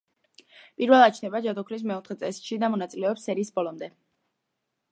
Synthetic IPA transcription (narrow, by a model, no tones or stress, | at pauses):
pʼiɾvɛlˠat͡ʃʰnɛbad͡ʒad̪ɔkʰlis̬mɛɔt̪ʰχɛt̪sʼɛsʃid̪amɔnat̪sʼilɛɔpsːɛɾiːsbɔlˠɔmd̪ɛ